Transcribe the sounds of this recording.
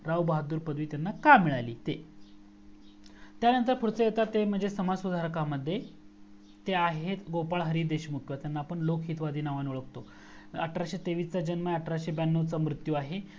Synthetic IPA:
ɾaʋbəɦad̪uːɾpəd̪ʋiːt̪janːakamiɭaliːt̪e | t̪janənt̪əɾpʰuɾt͡səjet̪at̪ːem̤əɳd͡zesəmad͡zsud̪ʱaɾkaməd̪ʱːje | t̪eaɦet̪ɡopaɭɦəɾiːd̪eɕmukjʋat̪janːaːpəɳlokɦiːt̪ʋad̪ʱiːnaʋanuɭək̚t̪o | ə̰ʈɾaɕit̪eʋiːt͡sad͡ʑənməəʈɾaɕibanːot͡samɾut̪juaɦe

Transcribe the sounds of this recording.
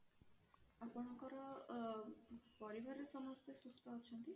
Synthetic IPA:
apɔɽ̃ɔkɔɾɔ | pɔɾibʱaɾesɔmɔst̪esust̪ʰɔɦɔt͡ʃʰɔnt̪i

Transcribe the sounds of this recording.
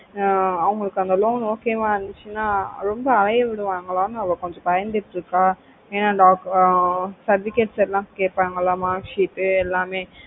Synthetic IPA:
ɐʋɐŋɡɐɭɯkːɯɐnd̪ɐloːnoːkeːmãːɾɐnd̪ɯt͡ʃːɯnaːɾɔmbɐːlɐjɐʋɪɽɯʋaːŋɡɐɭaːnɯɐʋɐkɔɲd͡ʒɔ̃pɐjɐnd̪ɪʈːɪɾɯkːaː | eːnaːɖaːk | sɐɾʋɪkeʈsɛlːãːkeːʈ̚paːŋɡɐɭaːmaːʂiːʈːɯɛlːaːmeː

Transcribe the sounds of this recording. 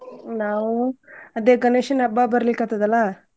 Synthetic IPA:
naːʋuɐd̪eːkɐneʂɐnɐbabɐɾɐlikːat̪ad̪ɐlːa

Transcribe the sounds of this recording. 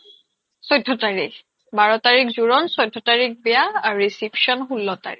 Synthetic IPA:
sɔjdʱːɔtaɹik | baɹɔtaɹikzuɹɔnsɔjdʱːɔtaɹik̚bɛjaːɹuɹisipʃɔnxulːɔta̰ɹḭk

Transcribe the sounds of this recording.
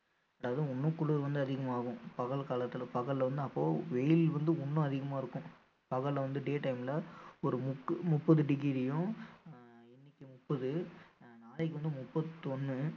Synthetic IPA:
ɐɽaːʋɐðɯʊnːɯ̃kʊɭɯðʋɐnd̪ɯɐðɪɣɐmaːɣʊ̃pɐɣɐɭkaːlɐt̪ːɪlɐpɐɣɐɭːʋɐnd̪ɯɐpːoːʋɛjɪlʋɐnd̪ɯʊnːʊ̃ɐðɪɣɐmaːɪɾɯkːʊ̃ | pɐɣɐɭʋɐnd̪ɯɖeːʈɐɪmɪlɐɔɾɯmʊkːmʊpːɐðɯɖɪɣɾɪɽɪjʊ̃ | ɪnːɪkʲːɯmʊpːɐðɯnaːlɛk̬ːɯʋɐnd̪ɯmʊpːɐðɯt̪ɔnːɯ

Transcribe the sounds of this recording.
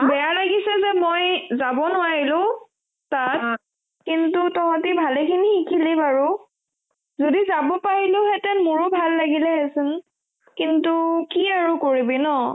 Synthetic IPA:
bɛjalaɡisɛzɛmojzabɔnʊwaɹilʊ̃ | tat̚ | kintutɔɦãtibʱalɛkʰinixikʰilibaɹʊ | zodizabɔpaɹilʊɦɛtɛnmʊɹʊbʱalːaɡilɛɦɛsʊn | kintukiaɹʊkoɹibinɔ

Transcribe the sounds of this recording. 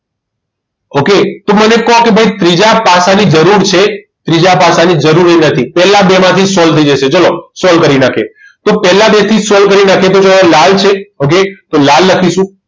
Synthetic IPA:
oket̪omənekɔɦkebʱəit̪ɾid͡ʒapasanid͡ʒəɾuɾt͡ʃʰe | t̪ɾid͡ʒapasanid͡ʒəɾuɾenət̪ʰipɛlabemãt̪ʰisɔlt̪ʰəid͡ʒəʃed͡ʒəlosɔlkəɾinakʰe | t̪opɛɦlabet̪ʰisɔlkəɾinakʰet̪̬od͡ʒəalalt͡ʃʰeok̬et̪olalːəkʰiʃũ

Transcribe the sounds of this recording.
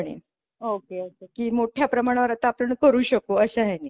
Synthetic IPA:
ɽ̃ḛ | okeət͡ɕakiːmoʈʰjapɾəmaɽ̃aʋəɾat̪aapəɳkəɾuːɕəkoəɕaɦɛni

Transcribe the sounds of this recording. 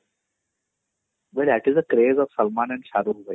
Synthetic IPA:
ʋɛldæʈɪzəkɾeːzɔʋsʌlmãːnɛ̃ɳɖʃaːɾuʋə

